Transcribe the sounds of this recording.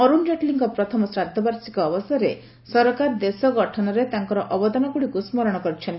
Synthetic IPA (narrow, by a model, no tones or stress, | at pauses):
ɔɾund͡ʒeʈliŋkɔpɾɔt̪ʰɔmɔsɾad̪ʱːɔbaɾsikɔːbɔsaɾe | sɔɾkaɾd̪esɔɡɔʈʰɔnɔɾet̪aŋkɔɾɔʔɔbɔd̪ɔnɔkuɽikusmɔɾɔɽ̃ɔkɔɾut͡ʃʰɔni